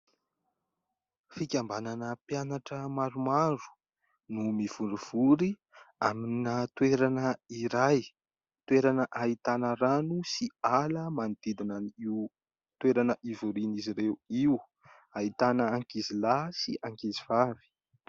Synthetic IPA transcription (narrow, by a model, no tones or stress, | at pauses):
fikʲambananəpjanaʈ͡ʂəmaɾumaɾu̥ | numiv̥uɳɖ͡ʐuv̥uɾi | aminət̪weɾanəiɾaj | t̪weɾanəʔait̪anəɾanusialəmanid̪̥id̪inaniw | t̪weɾanəʔivuɾiniziɾeuiw | ait̪anəːŋkizilasiʔaŋkiziv̥avi̥